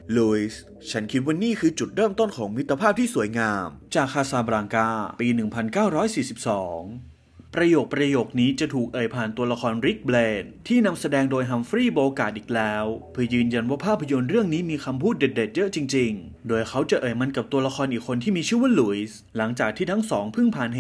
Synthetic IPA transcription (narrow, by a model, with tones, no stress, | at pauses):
lu˧˦˩i˦˩s | t͡ɕʰa˦˥nkʰi˦˥t̪̚waː˥˧niː˥˩kʰɯː˧t͡ɕu˨˩t̪̚ɾɤː˥˩mt̪o˥˩nkʰɔː˩˦ŋmi˦˥t̪ːa˧pʰaː˥˩p̚t̪ʰiː˥˩su˩˦jŋaː˧mt͡ɕaː˨˩k̚ʰːaː˧saː˧˩bɾaː˧ŋkaː˧piː˧nɯ˨˩ŋpʰa˧nkaː˥˩wɾɔː˦˥jsiː˨˩si˨˩p̚sɔː˩˦ŋ | pɾa˧joː˨˩k̚pɾa˧joː˨˩k̚niː˦˥t͡ɕa˨˩t̪ʰuː˨˩k̚ʔɤː˨˩jpʰaː˨˩nt̪u˧ɐla˧kɔː˧nɾi˦˥k̚bleː˧nt̪ʰiː˥˩na˧msa˧dɛː˧ŋdoː˧jɦa˧˩mfɾiː˥˩bo˧kaː˨˩t̪̚ʔiː˨˩k̚lɛː˦˥wpʰɯ˧˩əjɯː˧nja˧nwaː˥˩pʰaː˥˩pʰːa˧jo˧nɾɯ˥˩əŋniː˦˥miː˧kʰa˧mpʰuː˥˩t̪̚de˨˩t̪̚de˨˩t̪̚jɤ˦˥ʔt͡ɕi˧ŋt͡ɕi˧ŋ | doː˧jxʰa˦˥wt͡ɕa˨˩ʔɤː˨˩jma˧nka˨˩p̚t̪u˧ɐla˧kʰɔː˧nʔiː˨˩kʰːo˧nt̪ʰiː˥˩miː˧t͡ɕʰɯ˥˩wu˥˨nlu˩˦js | la˩˦ŋt͡ɕaː˨˩k̚t̪ʰiː˥˩t̪ʰa˦˥ŋsɔː˩˦ŋpʰɯ˥˩ŋpʰaː˨˩n˩